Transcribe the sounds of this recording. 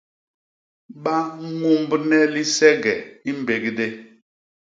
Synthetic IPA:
ɓa˦ŋ˦ŋu˦m˦bnɛ˦li˦sɛ˦ɡɛ̰˨i˦m˦be˨ɡde˦

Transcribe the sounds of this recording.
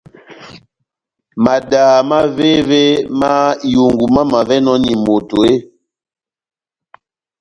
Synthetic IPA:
ma˨daː˨ma˦ve˦ve˦ma˦ju˨ŋɡu˨ma˦ma˨vɛ˦nɔ˦ni˨mo˨to˨e˦

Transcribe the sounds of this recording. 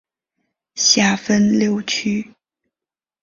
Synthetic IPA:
ɕja˥˩fə˥nljo˥˩ʊt͡ɕʰy˥

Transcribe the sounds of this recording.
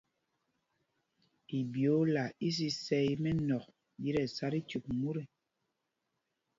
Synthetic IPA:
i˨bjo˨˦la˨i˦s̬i˦sɛ˦jmɛ˦nɔ˨k̚ | ji˦ɾɛ˨sa˦ɾi˦tu˨k̚mu˦ɾe˦˨

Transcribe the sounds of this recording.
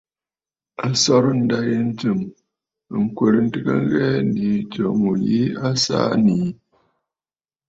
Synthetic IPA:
a˦sɔ˦ɾn̩˦da˦je˦n̩˦tɨ˨m˨ | ŋ̩˨kwe˨ɾn̩˦tɨ˦kə̰˦ŋ˦ɣɛ˦ndi˨t͡ʃo˨mu˨ji˦a˦sa̰˦ni˨˦

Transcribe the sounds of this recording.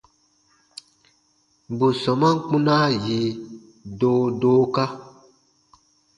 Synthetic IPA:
bu˨sɔ˨mã˦ŋ˦k͡pũ˦na˦ji˨˦ | doː˦doː˦ka˦

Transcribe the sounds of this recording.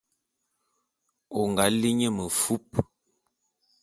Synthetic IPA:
o˨ŋɡa˨˦li˦ɲə˦mə˨fu˦p̚

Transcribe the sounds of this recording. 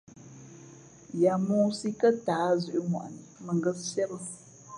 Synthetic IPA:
ja˨mõ˦si˦kə˦taː˨˦zʉ˨ʔi˦mwa̰˨ʔnə˨mə˨ŋɡə˦ssɛ˦bə˦s

